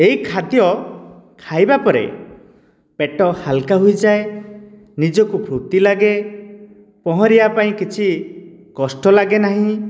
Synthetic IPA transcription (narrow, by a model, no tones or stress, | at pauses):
eɦikʰad̪jɔ | kʰajbapɔɾḛ | peʈɔhalkaɦujd͡ʒae | nid͡ʒɔkupʰɾut̪ilaɡe | pɔɦɔ̃ɾiapaĩkit͡ʃʰi | kɔsʈɔlaɡenaɦĩ